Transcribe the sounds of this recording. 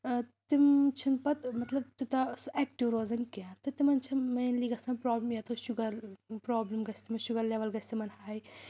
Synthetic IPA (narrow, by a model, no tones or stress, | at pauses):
t̪imt͡ʃʰinpɐt̪mɐt̪lɐb̚t̪it̪ɐsɛːk̚ʈiʋɾoːzɐnkiat̪ɨt̪imɐnt͡ʃʰɐmɐjnliːɡɐsɐpɾɔːblmjat̪oʃuɡɐɾpɾoːblɐmɡɐsʰʲt̪imɐʃuɡɐɾleːʋɐlɡɐsʰʲt̪imɐnhaːj